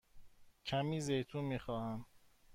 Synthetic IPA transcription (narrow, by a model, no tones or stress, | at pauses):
cʰæmiːzejt̪ʰuːmiːxɒːhæm